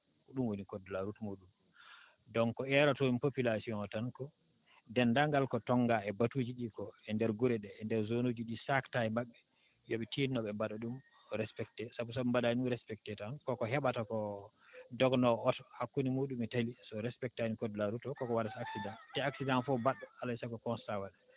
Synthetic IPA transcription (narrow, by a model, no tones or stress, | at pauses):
kɔɗumwonikɔdlaɾutɔmoɗum | dɔŋkɔɛɾatɔmpopilasiɔnɔtankɔ | dɛndaŋɡalkɔtɔŋɡaɛbatud͡ʒiɗikɔɛndɛɾɡuɾɛɗɛːndɛɾzonod͡ʒiɗisaktajɛmaɓːɛ | joɓɛtinnɔɓɛmbaɗaɗum | ɾɛspɛk̚tɛsabus̬ɔumbaɗaiuɾɛspɛk̚tɛtankɔkɔɦɛɓatakɔ | dɔɡnɔɔthakːunimuɗumɛtalisɔɾɛspɛk̚tanikɔdlaɾutɔkɔkɔwadasaksidãntɛaksidãnfɔbaɗːɔalasakɔkɔnstawaɗɛ